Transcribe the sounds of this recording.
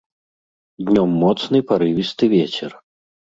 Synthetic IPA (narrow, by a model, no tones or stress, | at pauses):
d̪ʲnʲɔmːɔt̪snɨpaɾɨvʲist̪ɨvʲet͡ɕʲɛr